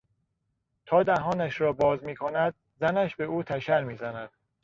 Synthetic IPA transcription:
t̪ʰɒːd̪æɦɒːnæʃɾɒːbɒːzmiːkʰonæd̪̚ | zænæʃbe̞uːt̪ʰæʃæɾmiːzænæd̪̥

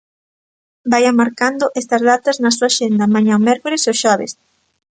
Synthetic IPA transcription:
bajamaɾkand̪ʊʔest̪ɐzðat̪ɐznɐsuaʃend̪ɐmãɲãomɛɾkolesoʃɔβ̞ḛs

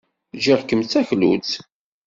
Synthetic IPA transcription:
ʒaʁkːəmt͡sːæçlṵt͡s

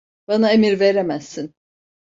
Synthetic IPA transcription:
b̥anaemiɾveɾemæz̥ːin

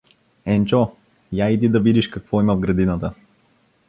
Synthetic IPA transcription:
ɛnt͡ʃɔ | jaid̪id̪ɐvid̪iʃkɐkvɔiməvɡɾɐd̪inət̪ə

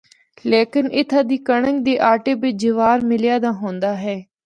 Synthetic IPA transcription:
leːkɪnʔɪt̪ʰaːd̪iːkəɽəŋɡ̚d̪eːʔaːʈeːbɪt͡ʃd͡ʒɪʋaːɾmɪlɪjaːd̪aːɦõːnd̪aːɦɛː

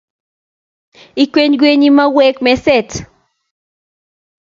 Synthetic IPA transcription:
ikʷenɡʷenimawekmeset͡s

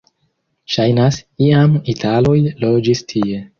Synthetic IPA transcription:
ʃajnasiamitʰalo̞jlo̞d͡ʒistʰie̞

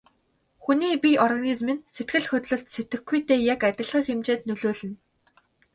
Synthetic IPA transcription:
xuniːpʲiʔɔrɣanizmĭnset̪ɡɘ̆ɮxɵt̪ɮɵ̆ɮt̪set̪ɘ̆xɡɡujt̪eːjakæt̪ʲɪ̆ɮʁiːxemt͡ɕeːt̪nɵɮoːɮɘ̆n

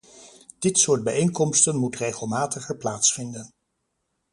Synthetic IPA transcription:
d̥ɪtsʊːɹd̚bɛjejŋkɔmstənmutrejχəlˠmaːtəχəɹplaːtsfɪndən

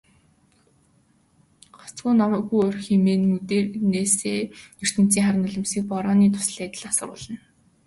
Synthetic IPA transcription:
ɢɔ̥t͡sɡuːnɔmœːɡujɔrʲxemeːnmut̪eːrneːseːnɵr̥t̪ɘ̆n̥t͡siːŋχaɾɪ̆nʊɮə̆msiːk̚pɔɾɔːniːt̪ʰʊ̥s̆ɮæːt̪ə̆ɮasə̆rʊ̰ːɮə̆n

